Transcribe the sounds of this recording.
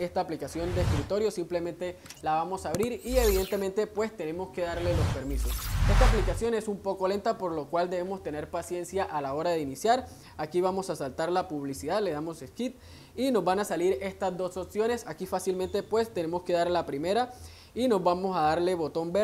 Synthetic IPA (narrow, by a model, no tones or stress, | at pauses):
e̞st̪aːplikasjo̞nd̪eːskɾit̪o̞ɾjo̞simple̞mẽ̞nt̪e̞laβamo̞saβɾiɾie̞βiðe̞nt̪e̞ment̪e̞pwe̞st̪e̞ne̞mo̞ske̞ðaɾle̞lo̞spe̞ɾmiso̞se̞st̪aːplikasjo̞ne̞sumpo̞ko̞le̞nt̪apo̞ɾlo̞kwald̪eβemo̞st̪e̞ne̞ɾpasje̞nsjaʔalao̞ɾað̞einisjaɾ | akiβamo̞sasalt̪aɾlapuβ̞lisiðaðle̞ð̞amo̞seskit̪̚ | ino̞zβanasaliɾe̞st̪azd̪o̞so̞psjo̞ne̞sakifasilmẽ̞nt̪e̞pwe̞st̪e̞ne̞moske̞ðaɾlapɾime̞ɾa | ino̞zbamo̞saðaɾle̞βo̞t̪o̞mbe